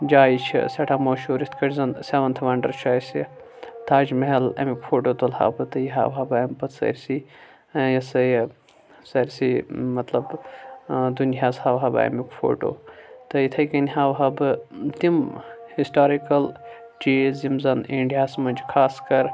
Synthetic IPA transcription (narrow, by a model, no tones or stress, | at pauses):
d͡ʒaːit͡ʃʰḭsʲɐʈʰaːmoːʃoːɾit̪ʰkɐʈzɐnsʲeʋɐnt̪ʰɐʋaɳɖɐɾt͡ʃʰaːjsi | t̪ʰaːd͡ʒmeɦɐlɐ̰mikfʰoːʈoːt̪olha̰ːbɨt̪ɐjiɦa̰ːʋɦɐbaːɐmpɐt̪ʰsɐ̰ɾʲsi | jɐsɐj | sɐɾʲsimɐt̪lɐb | d̪unjaːshaːʋɦaːba̰ɐ̰mikfʰo̰ːʈo̰ːt̪ɐjit̪ʰɐjkɐnʲɦaːwɦɐbɨt̪imhisʈaːɾikɐl | d͡ʒizimzɐneɳɖijaːsmɐd͡ʒkʰaːskɐɾ